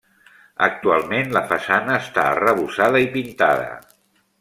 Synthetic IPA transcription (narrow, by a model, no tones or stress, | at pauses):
ə̰k̚t̪ualˠmenləfəsanəːst̪aə̰rəβusaðəipint̪a̰ðə̰